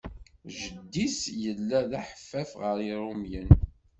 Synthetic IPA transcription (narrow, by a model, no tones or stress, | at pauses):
ʒəd̪ːisjəlːæðæħə̥fːæfʁəɾiɾˤumjən